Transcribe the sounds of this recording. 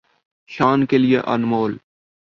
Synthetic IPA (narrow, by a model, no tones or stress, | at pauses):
ʃaːnkelijeʔə̰nmoːl